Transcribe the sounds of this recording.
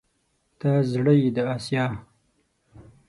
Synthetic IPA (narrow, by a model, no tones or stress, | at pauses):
t̪azɽəd̪əasjɑː